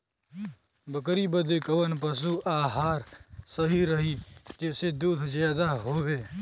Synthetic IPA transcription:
bəkəɾibəd̪ekəʋənp̬əs̬uʔaːɦaːɾsəɦiɾəɦid͡ʒeːsed̪uːd̪ʱzjaːd̪aɦoːʋeː

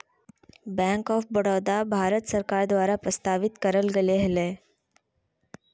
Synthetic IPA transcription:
bæ̃ŋkɔfbəɽad̪abʱaɾət̪səɾkaɾd̪ʋaɾapɾəst̪aʋit̪kəɾəlɡeleɦɛle

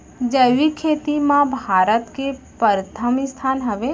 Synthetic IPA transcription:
d͡ʒəʋikʰeːt̪imãbʱaːɾət̪ke | pəɾt̪ʰəmɪst̪ʰaːnɦɐʋe

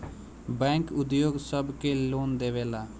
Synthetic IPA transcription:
bɛ̃ːŋkʊd̪joːɡsəbkeloːnd̪eːʋeːlaː

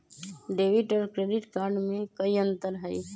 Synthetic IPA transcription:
ɖeːʋɪʈɔːɾkɾeːɖɪʈkaːɾɖmẽkɐiə̃nt̪əɾɦəi

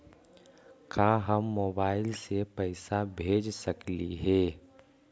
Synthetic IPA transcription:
kaːɦəmːoːbaːɪlsepəɪsabʱeːd͡ʒsəkliɦɛː

